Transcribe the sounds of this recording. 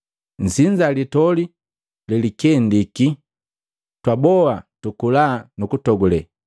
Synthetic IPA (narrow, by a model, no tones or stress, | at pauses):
n̩siɲd͡ʒalitɔli | lɛlikɛndiki | twabɔwatukulaːnukutɔɡulɛ